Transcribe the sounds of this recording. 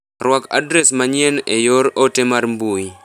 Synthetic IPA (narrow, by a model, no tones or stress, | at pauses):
rwaka̰dɾɛsmaɲjɛnejoɾɔtemaɾmbuji